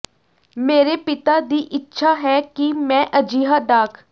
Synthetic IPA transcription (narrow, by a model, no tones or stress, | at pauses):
meːɾeːpɪt̪aːd̪iːʔɪtːʃʰaːɦɛːkimɛ̃ːʔəd͡ʒiːɦaːd̪aːkʰ